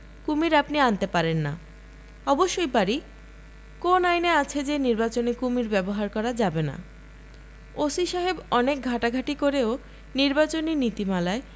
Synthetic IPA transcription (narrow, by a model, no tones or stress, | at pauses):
kumiɾapniant̪epaɾenːa̰ | ɔboʃːojpaɾi | konajneat͡ɕʰed͡ʑeniɾbat͡ɕonekumiɾbɛboɦaɾkɔɾad͡ʑabena̰ | osiʃaɦebɔnek̚ɡʱaʈaɡʱaʈikoɾeo | niɾbat͡ɕoninit̪imalae